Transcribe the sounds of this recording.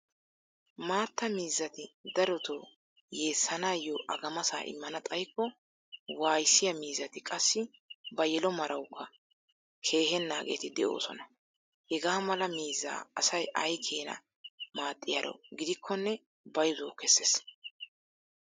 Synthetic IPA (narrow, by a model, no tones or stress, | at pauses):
maːt̪ːɐmiːzːɐt̪ɪd̪ɐɾɔt̪oː | je̞ːsːɐnaːjɔʔɐ̰ɡɐmɐsa̰ːʔɪ̰mːɐnɐt̪ʼɐjkːɔ | waːjsːɪjɐmiːzːɐt̪ɪkʼɐsːɪbɐjɛlɔmɐɾʔɐwkʰːɐ | kʰe̞ːɦɛnːaːɡḛːt̪ɪd̪ɛʔo̞̰ːsɔ̰nɐ | hɛɡaːmɐlɐmiːzːa̰ːɐsɐjʔɐjkʰeːnɐ̰ | maːt̪ʼːɪjɐɾɔ̰ɡɪd̪ɪkʰːɔnːɛ | bɐjzoːkːɛsːes